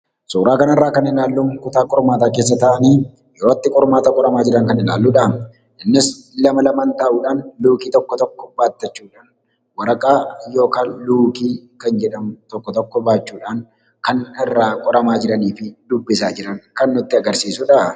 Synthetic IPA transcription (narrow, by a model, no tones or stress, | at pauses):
suːɾaːkɐnɐrːaːkɐnɪlaːlːʊŋkʊt̪aːkʼɔɾmaːt̪aːkeːs̬ːɐt̪ɐʔɐniː | jɛoːɐt̪ːɪkʼɔɾmaːt̪ɐkʼɔɾɐmaːd͡ʒɪɾɐŋkɐnɪla̰ːlːuᶑɐm | ɪnːɪslɐmɐlɐmaːnt̪ɐʔuːᶑaːnluːkiːt̪ɔkːɔt̪ɔkːɔ̥baːt̪ːɐt͡ʃːuːᶑaːn | wɐɾɐkʼaːjo̞ːkaːnluːkiːkɐnd͡ʒɛᶑɐmt̪ɔkːɔt̪ɔkːɔbaːt͡ʃːuːᶑaːŋ | kɐnɪrːaːkʼɔɾɐmaːd͡ʒɪɾɐniːfɪd̪ʊbːɪsaːd͡ʒɪɾɐŋkɐnːʊt̪ːɪɐɡɐɾsiːsʊᶑɐ